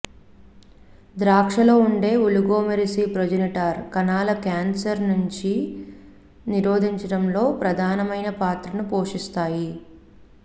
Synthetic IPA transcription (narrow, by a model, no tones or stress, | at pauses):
d̪ɾaːkʂɐlo̞ːuɳɖe̞ːuluɡo̞ːmɐɾisiːpɾɐd͡ʒɐniʈaɾkɐnaːlɐkaːnsɐɾnuɲt͡ʃi | niɾo̞ːd̪ʱiɲt͡ʃɐɽɐmlo̞ːpɾɐd̪ʱaːnɐmɐjnɐpaːt̪ɾɐnupo̞ːʂist̪aːji